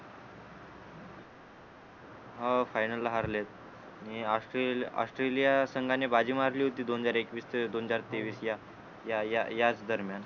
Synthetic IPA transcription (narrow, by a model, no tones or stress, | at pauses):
ɦafajnəlːaɦaɾlet̪̚ | niasʈa̰sʈɾelijasəŋɡanebad͡ʑiːmaɾliːɦot̪iːd̪ond͡zaɾekʋiːst̪ʰəd̪ond͡zaɾt̪eʋiːsja | jajajat͡sd̪əɾmjan